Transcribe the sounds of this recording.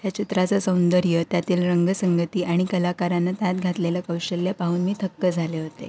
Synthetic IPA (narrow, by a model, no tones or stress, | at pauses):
ɦjat͡ɕit̪ɾat͡səsəwnd̪əɾjət̪jat̪iːlɾəŋɡəsəŋɡət̪iːʔaɽ̃ikəlakaɾanːat̪at̪̚ɡʱat̪leljakəwɕəljapaɦuːnmiːt̪ʰəkːəd͡zʱaleɦot̪ḛ